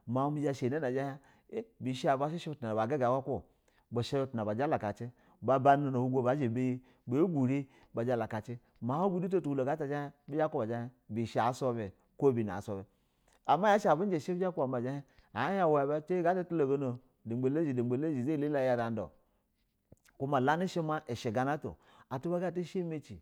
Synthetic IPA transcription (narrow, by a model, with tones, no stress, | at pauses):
ma˨˦mi˨˦d͡ʒa˨ʃe˨ne˦na˨d͡ʒa˦he˦ | bi˨ʃa˨ba˨ʃi˦ʃe˦ta˨ba˨ɡe˦ɡa˨wa˦kʷo˦ | bo˨ʃe˦u˦tna˨ba˨d͡ʒa˦la˨ka˨t͡ʃe˦ | ba˨ba˦no˨no˨wu˦ɡʷo˦ba˨˦ʒe˨be˦je˦ | bo˨˦ɡʷu˨ɾi˦ | ba˨d͡ʒa˦la˨ka˨t͡ʃe˦ | ma˨ho˦ɡu˦du˦t̬o˦tu˨wu˦lo˨ɡa˦ta˨d͡ʒa˦he˦bi˦a˦ko˦ba˨d͡ʒa˦he˦bi˨ʃa˨˦so˦be˨ | ko˦bi˨na̰˨so˦be˨ | a˨ma˦ja˦ʃa˨bu˦n˦d͡ʒe˨ʃe˦bi˦d͡ʒa˦ku˦a˨ma˨d͡ʒa˦he˦ | a˨˦ja˦wa˨˦a˨ba˦t͡ʃe˦i˦ɡa˦ta˦tu˦lo˨ɡo˦no˨ | di˨ɡ͡be˨le˦d͡ʒi˨di˨e˨le˦d͡ʒi˨ze˦˨li˦la˦˨ja˨da˨n˦do̰˨ | ku˦ma˨la˦ni˦ʃe˦ma˦ʔe˨ʃe˨ɡa˨na˦to̰˨ | a˨tu˦ba˦ɡa˦t̬i˦ʃe˦me˦t͡ʃi˨